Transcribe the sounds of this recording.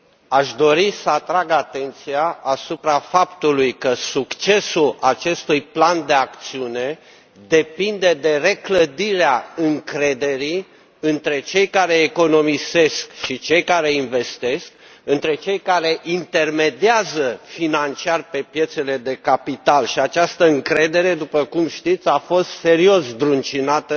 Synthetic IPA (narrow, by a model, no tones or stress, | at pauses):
aʃd̪o̞ɾisəat̪ɾaɡat̪e̞nt̪siaasupɾafapt̪ulujkəsukt͡ʃe̞sulat͡ʃe̞st̪ujpland̪e̞akt̪siune̞ | d̪e̞pind̪e̞d̪e̞re̞kləd̪iɾeaɨŋkɾe̞d̪e̞ɾi | ɨnt̪ɾe̞t͡ʃe̞jkaɾe̞ːko̞no̞mise̞skʃit͡ʃe̞jkaɾe̞inve̞st̪e̞sk̚ɨnt̪ɾe̞t͡ʃe̞jkaɾe̞ʔint̪e̞rme̞d̪iazəfinant͡ʃiarpe̞pje̞t̪se̞le̞d̪e̞kapit̪alʃiat͡ʃast̪əɨŋkɾe̞d̪e̞ɾe̞d̪upəkumʃt̪it̪sʲafo̞st̪se̞ɾio̞sb̪ɾunt͡ʃinat̪ə